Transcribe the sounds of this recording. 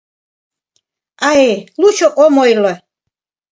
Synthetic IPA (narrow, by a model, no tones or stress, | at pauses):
aɛluʃɔkʼɔmɔjla